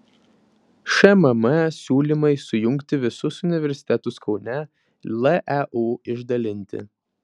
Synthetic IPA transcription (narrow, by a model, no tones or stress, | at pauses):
ʃɛmɐmɐsʲuːlʲimɐɪsʊjʊŋʲkt̪ʲɪʋʲɪsʊsʊnʲɪʋʲɛɾʲsʲɪ̥t̪ʲɛt̪ʊskɒʊnʲɛ | lˠʔɛʔuːɪʒd̪ɐlʲɪnʲt̪ʲɪ̰